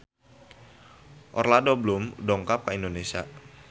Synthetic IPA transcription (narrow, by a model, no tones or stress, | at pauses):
ʔɔ̰rladoblʊmdɔŋkap̚kaindonesia̰